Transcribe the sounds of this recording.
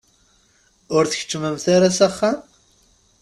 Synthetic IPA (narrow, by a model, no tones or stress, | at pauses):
ʊɾθəçə̥t͡ʃːməmθaɾasaχːam